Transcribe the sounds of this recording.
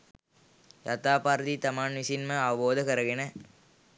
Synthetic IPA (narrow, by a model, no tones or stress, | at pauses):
jɐt̪aːpaːɾðit̪ɐmaːnʋisinmɐaːboːðɐkɐɾɐɣɪnɐ